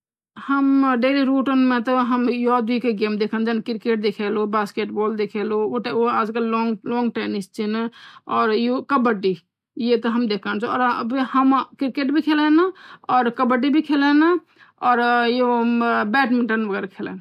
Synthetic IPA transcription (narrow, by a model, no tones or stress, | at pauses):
həmɖeɾiɾuʈənmet̪ɔɦəmjod̪uikeɡemd̪ekʰənd͡ʒɛnkiɾkeʈ̚d̪ekʰelobaskeʈbold̪ekʰelooʈoaːd͡ʒkelɔŋlɔ̃ŋɡʈenist͡ʃʰinɔːɾjokəbəʈi | jet̪ɔɦəmd̪ekʰənt͡ʃʰɔ̰ɾbhəmkiɾkeʈbʱikʰelenɔːɾkəbəʈ̬ibʱikʰelen | ɔːɾjobɛʈmiɳʈənbəɡɛɾakʰelḛn